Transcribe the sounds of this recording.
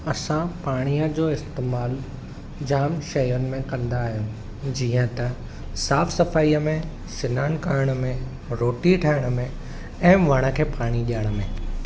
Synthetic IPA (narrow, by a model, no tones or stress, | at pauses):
ɐsãpaːɽ̃ijəd͡ʑoːɪst̪eːmaːl | d͡ʑaːmʃɐjʊnɪ̆mẽkɐ̃nd̪aːɦijũ | d͡ʑiːə̃t̪ɐ | saːfsɐfaːijəmẽ | sɪnaːñkaːɪɽ̃əmẽ | ɾoːʈiʈʰaːɪɽ̃ə̆mẽ | ɛ̃ːʋɐɽ̃ə̆kʰeːpaːɽ̃iɗiaɪɽ̃ə̆mẽ